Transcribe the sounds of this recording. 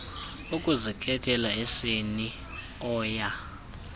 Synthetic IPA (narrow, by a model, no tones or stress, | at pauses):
ukʼuzikʰɛtʰɛlaeseni | ɔːja